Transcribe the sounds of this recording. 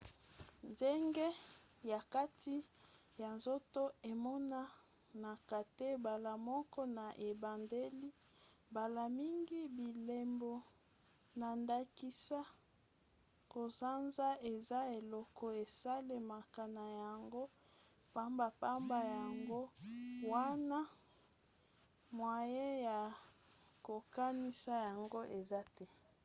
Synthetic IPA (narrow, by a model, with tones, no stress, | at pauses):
nde˦ŋɡe˦ja˨ka˦tʰi˦ | ja˨nzo˦to˦e˨mɔ˦na˦ | na˨ka˨te˦ba˨la˨mɔ˦kɔ˦na˨ʔe˨ba˨nde˦li˦ba˨la˨mi˦ŋɡi˦bi˨le˨mbɔ˨ | na˨nda˨ki˦sa˦ | ko˨za˦nza˦e˨za˦e˨lɔ˦kɔ˦e˨sa˦le˨ma˨ka˨na˨ja˨ŋɡo˦ | pa˦mba˨pa˦mba˨ja˨ŋɡo˦wa˦na˦ | mwa˨je˦ja˨ | ko˨ka˦ni˦sa˦ja˨ŋɡo˦ʔe˨za˦tɛ˦